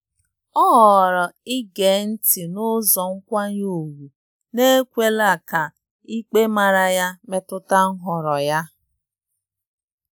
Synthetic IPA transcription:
ɔ˦ɦɔ˨ɾɔ˨ɪ˦ɡe˨n̩˦ti˨nʊ˦zɔ˨ŋ̩˦kʷa˦ɲ˦o˨ɡu˨ | ne˦kʷe˦la˦˨ka˨ | i˦k͡pe˦ma˨ɾa˨ja˦me˦tʊ˦ta˦ŋ̩˦ɦɔ˨ɾɔ˨ja˦

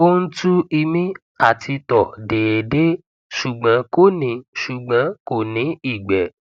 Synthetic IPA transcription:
o˦n̩˦tu˦i˧mĩ˦ | a˦˨tʰi˧tɔ˨de˨e˨de˦ | ʃu˨ɡ͡bã˨˦ko˦˨nĩ˨˧˨ʃu˨ɡ͡bã˨˦ko˦˨nĩ˨˦i˦˨ɡ͡bɛ˨

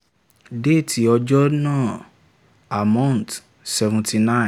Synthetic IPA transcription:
de˦˨tʰi˨ɔ˧d͡ʒɔ˦nãː˦˨ | a˨mã˦˨n˨t | sɛ˧vũ˨tʰi˧nã˦˨

